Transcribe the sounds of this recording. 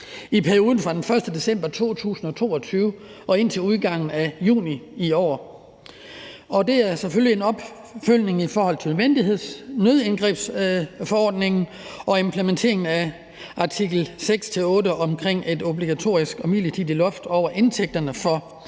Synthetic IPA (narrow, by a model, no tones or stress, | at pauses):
ipʰæɐio̝ːðˠn̩fʁɑ̈d̥enfɶɐsd̥əd̥e̝sem̰b̥ɐt͡sʰo̝̰ːt͡sʰṵːsn̩ɒ̽t͡sʰo̝̰ːɒ̽t͡sʰyːʊɒ̽e̝n̰t͡sʰe̝luðˠɡ̥ɑ̈ŋ̰n̩æjṵːniiɒ̰ː | ɒ̽d̥e̝æɐsefølie̝nɒ̽b̥ | føl̰ne̝ŋifɒːhɒ̽l̰t͡sʰeʋend̥ihe̝ð̰ˠsnøðˠenɡ̥ʁɛ̰ːb̥sfɒɒ̰ːd̥ne̝ŋn̩ | ʔɒ̽e̝mpʰlement͡sʰe̝̰ɐeŋn̩æ | ʔɑ̈t͡sʰiɡ̥l̩seɡ̥st͡sʰe̝lɔ̽ːdəʔɒ̽mkʰʁeŋ̰e̝do̝bliɡ̥æt͡sʰo̝̰ːisɡ̥ɒmilit͡sʰiðdˠilɔ̽fd̥ɒʊ̰ɐʔe̝nt͡sʰeɡ̥̚d̥ɐnəfɒ̽